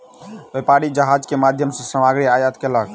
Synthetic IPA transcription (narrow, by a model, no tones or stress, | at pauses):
bepaɾid͡ʒəɦad͡ʒkemad̪ʱjəmsẽsəmaɡɾiajət̪kelək